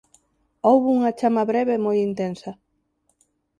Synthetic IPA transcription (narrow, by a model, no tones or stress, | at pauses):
owβuŋɐt͡ʃamɐβɾɛβemojint̪ensɐ